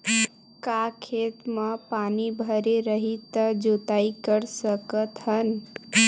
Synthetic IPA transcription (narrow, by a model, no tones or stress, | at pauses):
kakʰet̪məpanibʱəɾeɾəɦit̪əd͡ʒot̪aikəɾsəkət̪ɦən